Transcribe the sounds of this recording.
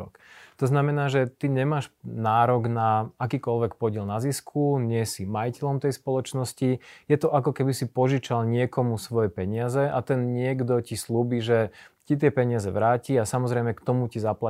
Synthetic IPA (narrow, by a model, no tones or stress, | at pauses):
ɔ̰kt̪ɔznamɛnaːʒɛt̪iɲɛmaːʃnaːɾɔɡnaakiːkɔlʋɛkpɔɟɪɛlnaziskʰuɲɪɛsimajicɛlɔmt̪ɛjspɔlɔt͡ʃnɔscijɛt̪ɔʔakɔkɛbisipɔʒit͡ʃalɲɪɛkɔmusʋɔjɛpɛɲɪazɛʔat̪ɛnɲɪɛɡd̪ɔcisluːbiːʒɛcit̪̬ɪɛpɛɲɪazɛʋɾaːciasamɔzɾɛjmɛkt̪ɔmucizapla